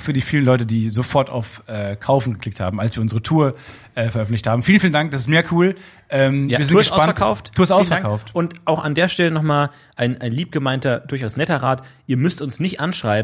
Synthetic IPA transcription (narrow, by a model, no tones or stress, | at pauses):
fyːɐdiːfiːlənlɔʏtədiːzofɔɐta̰ʊfʔɛːkʰaʊfn̩ɡəkʰl̥ɪktha̰ːbm̩alsv̥iːɐʊnzəʁətʰuːɐ | ʔɛːfɛɐʔœfn̩tlɪçthaːbm̩fiːlən̩fiːlndaŋk̚d̥asɪstmeːɐkʰuːl | ʔɛːmiːɐzɪ̥ɪnuːɐɡətʔaʊasɐkʰaʊftːuːɐstaʊsfɛkʰaʊftʔʊntʔaʊxandeːɐʃtɛlənɔχmaːl | ʔaɪnʔaɪnliːp̚ɡ̥əmaɪntɐd̥ʊɐçaʊsnɛtɐʁaːtʔiːɐmʏstʊnsnɪçtʔanʃʁ̥aɪb